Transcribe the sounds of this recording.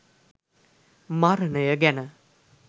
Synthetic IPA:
maɾənəjəɡænə

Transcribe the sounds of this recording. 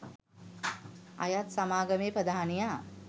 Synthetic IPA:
a̰jat̪samaːɡəmeːpɾəd̪aɦanija

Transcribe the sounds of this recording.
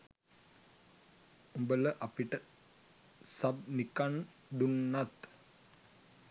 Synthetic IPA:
umbələʔapiʈə | sab̚nikan | ɖ̪unːat̪

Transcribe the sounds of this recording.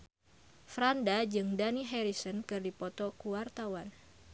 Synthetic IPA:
fɾandad͡ʒɨŋdaniɦɛɾisɔnkɨrdipɔt̪ɔkuwart̪awan

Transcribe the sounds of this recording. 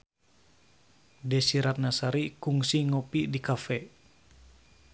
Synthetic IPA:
dɛsiɾat̪̚nasaɾikuŋsiŋopidikafɛ

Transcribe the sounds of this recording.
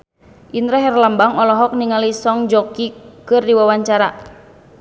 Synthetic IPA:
ʔint̪ɾaɦɛrlambaŋɔlɔɦɔk̚niŋalisɔŋd͡ʒɔkikɨrdiwawaɲt͡ʃaɾa

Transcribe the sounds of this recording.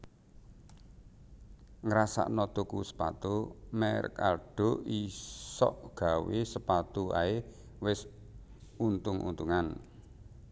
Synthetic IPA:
ŋɾasa̰ʔnɔd̪̥ukusə̥pa̰t̪umɛrkarɖ̥ɔ̤isɔ̰ʔɡ̥a̤wesəpat̪ua̰e | wɪs | unt̪ʊŋʔṵnt̪uŋan

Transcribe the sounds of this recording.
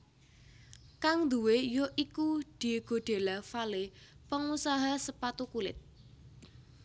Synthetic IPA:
kaŋd̪uwejoʔikud̪̥i̤ɡ̥o̤ɖ̪̥e̤lafalepəŋusaɦasəpat̪ukulɪ̰t̪̚

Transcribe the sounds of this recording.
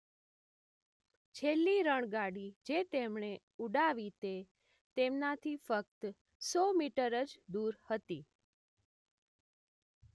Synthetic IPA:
t͡ʃʰelːiɾəɳ̃ɡaɽid͡ʒet̪emɳe | uɖaʋit̪e | t̪emnat̪ʰifək̚t̪ | sɔmiʈəɾəd͡ʒd̪uɾhət̪i

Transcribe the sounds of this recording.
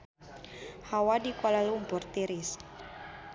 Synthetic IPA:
hawadikɔlalumpʊrt̪iɾis

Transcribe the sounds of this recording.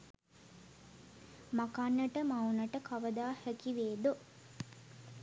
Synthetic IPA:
makanːəʈəmaunəʈəkʰaʋəd̪aːhɛkiʋeːd̪o

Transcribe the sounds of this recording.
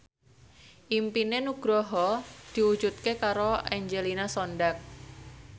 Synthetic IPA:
ʔimpinenuɡ̥ɾɔɦɔd̪̥i̤u̥d͡ʒut̪̚kekaɾoɛɲd͡ʒelinasɔndak̚

